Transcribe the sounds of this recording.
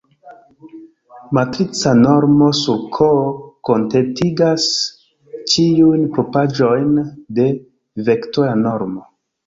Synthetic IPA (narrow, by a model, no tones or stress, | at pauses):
matɾit͡sano̞ɾmo̞suɾkʰoko̞ntetiɡas | t͡ʃiujnpopad͡ʒo̞jnde̞ | ve̞ktoɾano̞ɾmo